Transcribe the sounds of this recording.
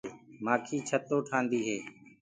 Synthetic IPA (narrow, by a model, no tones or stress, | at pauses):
maːkʰiːt͡ʃʰət̪ːoːʈʰãːnd̪iːɦeː